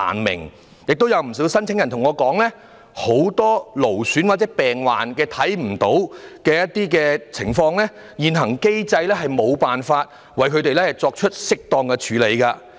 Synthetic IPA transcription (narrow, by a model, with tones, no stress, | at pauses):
a̰ː˨˩nmɪ̰˨˩ŋ | jɪ˨k̚t̪o˥wjɐ˨˧wm̩˨˩s̬iː˨˥wsɐ˥nt͡sʰɪ˨˥ŋjɐ˨˩nt̪ʰŋɔː˨˧kɔː˨˥ŋlɛː˥ | ho˨˥wt̪ɔː˥lo˨˩wsyː˨˥nwaː˨t̚t͡sɛː˨˦˥pɛː˨ŋwa̰ː˨nkɛː˧t̪ʰɐ˨˥jm̩˨˩t̪o˨˥wkɛː˧jɐ˥t̚t̪iː˥k̬ɛː˧t͡sʰɪ˨˩ŋfɔː˧ŋlɛː˥ | jiː˨˩nɦɐ˨˩ŋke˥jt͡sɐ˧jlɛː˥ɦɐ˨jmo˨˧wpaː˨nfaː˧t̚ | wɐ˨jkʰɵ˨˧ɥt̪e˨jlɛː˥hɐ˨jt͡sɔː˧k̚t͡ʃʰɵ˥t̚sɪ˥k̚t̪ɔː˧ŋkɛ˧t͡ʃʰyː˨˥le˨˧jkɐ˧